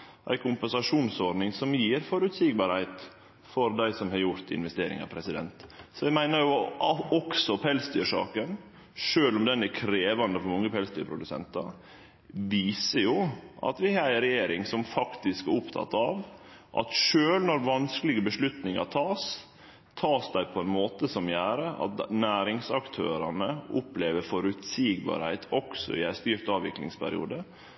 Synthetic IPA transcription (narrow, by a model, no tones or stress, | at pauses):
ʔæ̰ɪkʰʊmpɛnsɑʂuːnsɔɾɖnɪŋsɔmjiːɾfɔɾʉt̪siɡ̚bɑɾhæɪt̪ | fɔɾd̪æɪsɔmhɑɾjʊɾt̪ɪ̰nʋɛst̪eːɾɪ̰ŋɑ̰pʰɾɛsɪd̪ɛ̰nt̪sɔæɪmæɪnəɾjʊɔksɔpʰɛlsd̪yːʂɑ̰ːkən | ʂøːlɔmd̪ɛnækʰɾeːʋɑnd̪əfɔɾmɑŋːəpʰɛlsd̪yːpʰɾʊd̪ʉsɛ̰nt̪ɑ̰ɾ | ʋiːsəjʊʔɑ̰t̪ʋɪhɑɾɾɛjeːɾɪŋsɔmfɑkt̪ɪskæɾʊpt̪ʰɑ̰t̪ːɑʋ | ʔɑ̰t̪ʂøːlnɔɾʋɑnskəlɪɡəbəʂlʉt̪nɪŋɑt̪ʰɑːs | t̪ʰɑːsd̪æɪpʰɔɛnmoːt̪əsɔmjæːɾəʔɑ̰t̪næːɾɪŋsɑkt̪ʰøːɾɑnəʔʊpleːʋəfɔɾʉt̪siːɡbɑ̰ːɾhæɪt̪ʰɔksɔ̰ɪ̰æɪst̪yːɾt̪ɑːʋɪ̰klɪ̰ŋspʰæ̰ɾɪ̰ṵːd̪ə